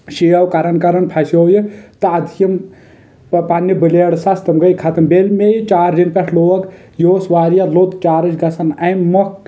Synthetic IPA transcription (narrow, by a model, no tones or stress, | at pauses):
ʃijɐwkɐɾɐnkɐɾɐnpʰɐsjoːjit̪ɐɐd̪ʱijɐm | panːɐbɨleːɽsɐst̪ɐmɡɐjkʰɐt̪ɐmbelmejt͡ʃaːɾdinpʲɐʈʰloːɐɡ | joːsʋaːɾijalot̪t͡ʃaːɾɐt͡ʃɡɐsɐnɐjmmɐk